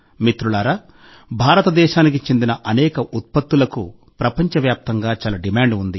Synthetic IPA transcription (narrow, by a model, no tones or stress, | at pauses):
mit̪ɾulaːɾa | bʱaːɾɐt̪ɐd̪ɛːʃaːnikit͡ʃend̪inɐʔɐnɛːkɐʔut̪̚pɐt̪ːulɐku | pɾɐpɐɲt͡ʃɐʋjaːp̚t̪ɐŋɡaːt͡ʃaːlɐɖimaːɳɖund̪i